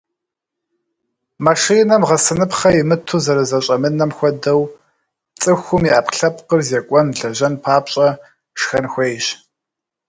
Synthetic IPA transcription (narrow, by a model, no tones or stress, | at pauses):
maʂiːnɐmʁɐsɨnɨpχɐjɪmɨtʰuːzɐɾɐzɐɕʼɐmɨnɐmxʷɔdɐw | t͡sʼɨxʷʊmiʔaːpɬɐpqərzekʷʼɔnɮɐʒɐnpʰaːpɕʼɐ | ʂxɐnxʷejɕ